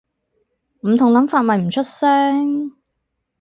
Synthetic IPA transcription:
m̩˨˩t̪ʰʊ˨˩ŋlɐ˨˥mfaː˧t̚mɐ˨jm̩˨˩t͡ʃʰɵ˥t̚sɛː˥ŋ

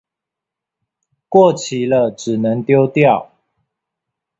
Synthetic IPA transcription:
kwɔ˥˨t͡ɕʰi˨˦lə˧ʈ͡ʂɻ̩˨˩nə˨˦ŋt̪jo˦ʊt̪jɑ˥˨ʊ

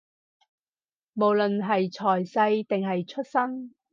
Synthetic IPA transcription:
mo˨˩wlɵ˨nɦɐ˨jt͡sʰɔː˨˩jsɐ˧jt̪ɪ˨ŋɦɐ˨jt͡ʃʰɵ˥t̚sɐ˥ŋ

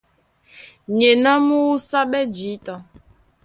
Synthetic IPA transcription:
ɲe˨na˦mu˦u˦sa˦ɓɛ˦d͡ʒi˨˦ta˨

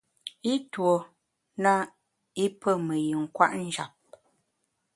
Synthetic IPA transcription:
i˦two˨ | na˦ | i˦pə˦˨mə˨jɯ˨ŋ̩˨kwa̰˦ʔn̩˦d͡ʒa̰˨p̚

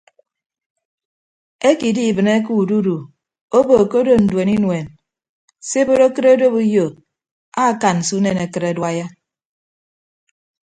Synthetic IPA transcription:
e˦ki˨di˦˨bɨ˨ne˦ku˨du˦du˨ | o˦bo˨ko˦do˦n̩˨dwe˨ni˦nwe˨n | se˦bo˦ɾo˦kɨ˦ɾo˦do˦bu˦jo˨ | a˦ka˨nn̩˨su˦ne˨ne˨kɨ˦ɾe˨dwa˦ja˦

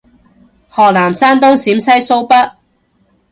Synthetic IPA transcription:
hɔː˨k̚laː˨˩msaː˥nt̪̬ʊ˥ŋsiː˨˥msɐ˥jso˥wpɐ˥t̚

